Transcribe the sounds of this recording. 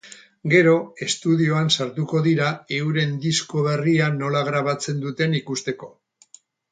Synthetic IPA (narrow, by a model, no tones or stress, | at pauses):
ɡe̞ɾo̞e̞st̪uðio̞ansaɾt̪uko̞ðiɾae̞uɾe̞nd̪isko̞β̞e̞riano̞laɣ̞ɾaβat͡se̞nd̪ut̪e̞nikust̪e̞ko̞